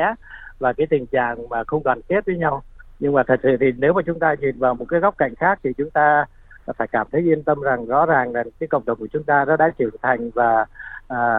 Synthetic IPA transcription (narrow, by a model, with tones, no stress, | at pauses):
ɛ˨˦˥vaː˨˩kaː˨˦jt̪ï˨˩ŋ̟t͡ɕa̰ː˧˨ŋmaː˨˩xə˧wŋ͡mkɔ˨˩nke˦˥t̚və˨˦ɲa˧wɲɨ˧ŋmaː˨˩t̪ʰə˨˩t̚sɨ̰˧˨t̪ʰi˨˩ne˨˦wmaː˨˩t͡ɕʊ˨˦ŋ͡mt̪aː˧ɲi˨˩nvaː˨˩wmo˨˩kaː˨˦ɣɔ˦˥k͡p̚ka̰˧˨jŋ̟xaː˦˥k̚t̪ʰi˨˩t͡ɕʊ˨˦ŋ͡mt̪aː˧ | faː˧˩jkaː˧˩mt̪ʰə˨˦jʔi˧ənt̪ə˧mza˨˩ŋzɔ̰˧˥zaː˨˩ŋlaː˨˩kaː˨˦jkə̰˧˨ŋ͡mɗə˨˩wŋ͡mku˧˩ə˨t͡ɕʊ˨˦ŋ͡mt̪aː˧zɔ̰˧˦˥ɗa̰ː˧˥t͡ɕɨ˧˩əŋt̪ʰa˨˩jŋ̟vaː˨˩ʔaː˨˩